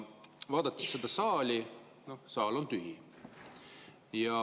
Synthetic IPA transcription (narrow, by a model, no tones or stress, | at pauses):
vɑːd̪ɑt̪ːˑi̥ssed̪̥ɑsɑːlʲi | no̞hsɑːlo̞nt̪yɦi | jɑ